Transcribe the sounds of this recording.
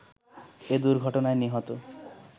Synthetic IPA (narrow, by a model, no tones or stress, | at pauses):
ed̪uɾɡʱɔʈonaeniɦɔt̪o